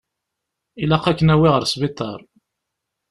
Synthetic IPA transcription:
ilɑqːækːənæwɪʁəɾsvit̪ˤːɑ̰ɾˤ

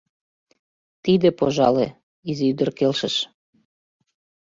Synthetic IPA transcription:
t̪id̪ĕpoʒɑle | iziyd̪ə̆rkelʃəʃ

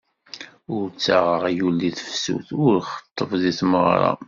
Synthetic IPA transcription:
ʊɾt͡sːaʁəʁjulːiθə̥fsṵθʊɾχə̥t̪ˤːəvðiθməʁɾˤɑ̰

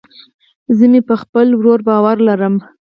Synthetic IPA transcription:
zənepəxpəlwɾoɾbɑwaɾlaɾəm

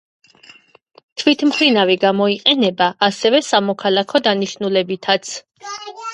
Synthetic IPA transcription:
t̪ʰvit̪ʰmpʰɾinaviɡamɔiqʼɛnɛbaʔːsɛvɛsamɔkʰalˠakʰɔd̪aniʃnulɛbit̪ʰat̪sʰ

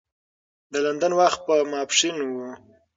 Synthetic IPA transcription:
d̪əland̪anwaxt̪̚pəmɑpʂinwu

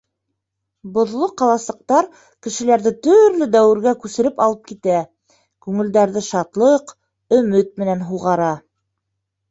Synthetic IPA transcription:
bŏðlˠoqɑlˠɑsˠɤ̆q̚t̪ɑɾ | kɘ̆ʃɘ̆læɾðɘt̪ɵɾlɘd̪æwɘ̆ɾɡækʉsɘ̆ɾɘpɑlˠɤp̚kit̪æ | kʉŋɘ̆ld̪æɾðɘʃɑt̪lˠɤq | ɵ̆mɘt̪̚mɘ̆nænɦuʁɑɾɑ

